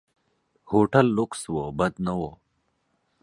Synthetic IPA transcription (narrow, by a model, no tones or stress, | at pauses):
hoːʈɐlːukswobɐd̪nɐwo